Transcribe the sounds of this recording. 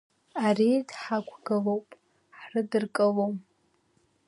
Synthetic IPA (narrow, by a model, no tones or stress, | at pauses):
aridħaɡʷʰɡɨlowpʼ | ħrɨdɨrkʼɨlowm